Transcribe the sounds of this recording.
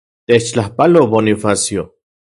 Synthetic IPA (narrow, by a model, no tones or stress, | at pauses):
t̪et͡ʃt͡ɬahpaloβonifasjo